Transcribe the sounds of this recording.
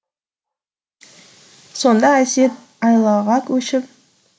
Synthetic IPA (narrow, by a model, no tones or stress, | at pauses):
so̞nd̪ɑæsʲe̞t̪̚ | ɑjlˠɑʁɑkʲʰɵʃɪp̚